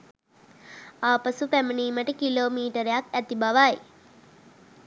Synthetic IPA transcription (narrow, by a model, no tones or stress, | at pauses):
aːpasupæməɳiːməʈəkiloːmiːʈəɾejakæt̪ibaʋaj